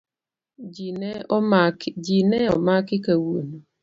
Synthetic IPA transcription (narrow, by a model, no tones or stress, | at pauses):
d͡ʒineɔmakɪkawuono